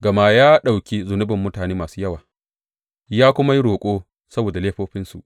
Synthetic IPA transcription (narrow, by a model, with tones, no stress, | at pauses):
ɡɐ˨ma˦jaː˦ɗa˨wkʲi˦zʊ˨nʊ˦bɪ˨mːʊ˦taː˨neː˦maː˨suː˦jɐ˦waː˨ | jaː˦kʷʊ˦ma˦ji˦ɽoː˨kʷʼoː˦ | sɐ˦boː˨da˨leː˦ɸoː˦ɸɪ˦nsṵ˨ʔ